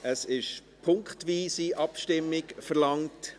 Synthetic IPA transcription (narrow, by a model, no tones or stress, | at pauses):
əsɪʃ | pʰʊŋkχtʋiːsiʔɑpʃtɪmːɪɡfəɾlɑŋt